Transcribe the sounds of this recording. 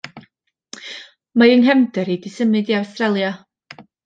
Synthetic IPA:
majənɦɛmdɛɾidɪsəmɨdiawstrɛlˠja

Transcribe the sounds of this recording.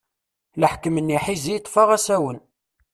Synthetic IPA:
ləħkəmənːiħizijət̪ˤːfɑʁæsæwən

